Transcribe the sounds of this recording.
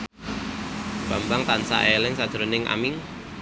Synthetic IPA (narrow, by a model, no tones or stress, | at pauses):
b̥a̤mbaŋt̪ansa̰ʔelɪŋsad̥d̥əɾənɪŋʔa̰miŋ